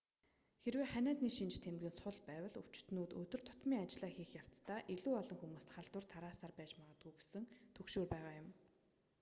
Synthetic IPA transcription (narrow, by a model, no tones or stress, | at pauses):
xeɾweːχænʲæːt̪niːʃint͡ɕt̪ʰemɡɘ̆nsʊɮpæːwə̆ɮut͡ɕt̪nuːt̪ɵt̪ɵ̆r̥t̪ʰʊ̥t̪miːŋat͡ɕɮaːxiːxjaw̥t͡st̪aːʔiɮuːɔɮɞ̆ŋxumuːst̪χaɮt̪wə̆rt̪ʰaɾaːsarpæːt͡ɕmaʁə̆t̪̚ɡuːɡesɘ̆ŋt̪ʰɵkʃoːrpæːʁaːjʊm